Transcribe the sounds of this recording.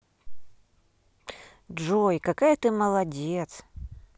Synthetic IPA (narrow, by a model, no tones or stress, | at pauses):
ʐojkakajət̪ɨməlˠɐdʲet̪s